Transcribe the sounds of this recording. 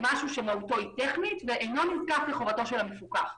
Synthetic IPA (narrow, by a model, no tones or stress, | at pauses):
maʃuʃemauto̞it̪eχnit̪veʔejno̞nilkafleχo̞vato̞ʃelamefukaχ